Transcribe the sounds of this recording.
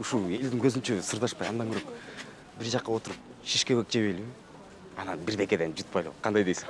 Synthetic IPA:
uʃulˠe̞ld̪iŋkʰøzynt͡ʃøsɯɾd̪ɑʃpɑjɑnd̪ɑŋɡyɾok | biɾd͡ʒɑqːɑo̞t̪uɾup̚ʃiʃkewek̚d͡ʒe̞βejliβi | ɑnɑnbiɾb̪e̞ke̞d̪end͡ʒut̪̚pɑjlˠo̰qʰɑnd̪ɑjd̪ejsi̥

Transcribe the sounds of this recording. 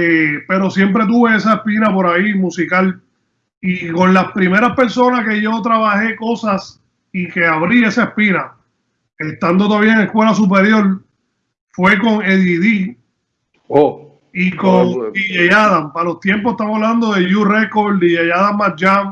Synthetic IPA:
epe̞ɾo̞sje̞mpɾe̞t̪̬uβe̞es̬aespinapo̞ɾaimũsikal | iko̞nlaspɾime̞ɾaspe̞ɾso̞nahke̞ʝo̞t̪ɾaβahe̞ko̞sas | ike̞aβɾie̞saespina | est̪and̪o̞t̪oaβiaeŋehkwe̞lasup̬e̞ɾjo̞l | fwe̞ko̞ŋe̞ðiði | o | ikoŋijejaðampalo̞st̪je̞mp̬oet̪amoaβland̪o̞ðe̞ʝureko̞ɾd̪ijejaðamːat̚d͡ʒam

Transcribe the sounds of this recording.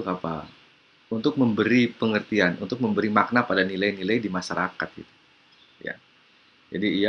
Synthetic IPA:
kapa̰ | unt̪ʊk̚məmbəɾipəŋərt̪ianṵnt̪ʊk̚məmbəɾimak̚napadanilajnilajdimaʃaɾakat̪̚ɡit̪u̥ | ja̰ | d͡ʒadiːja

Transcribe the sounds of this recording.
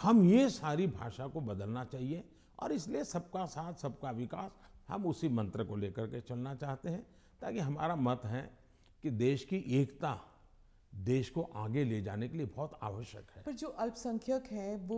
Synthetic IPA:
hɐmjesaːɾibʱa̰ːʃakobɐd̪əlnat͡ʃaːɦie | ɔ̰ːɾɪsliesɐb̚kasaːt̪ʰsɐb̚kaʋɪka̰ːshɐ̰mʊsimɐ̃nt̪ɾəkoleːkəɾket͡ʃɐlnat͡ʃaːɦt̪eɦɛ̃ | t̪a̰ːkiɦɐma̰ːɾamɐt̪ɦɛ | kid̪eːʃkiʔeːkt̪a | d̪eːʃkoʔaːɡeled͡ʒa̰ːnekeliebɔːt̪a̰ːʋəʃjə̰kɦɛːpɐɾd͡ʒoːʔɐlpsɐ̃ŋkʰjəkɦɛʋo

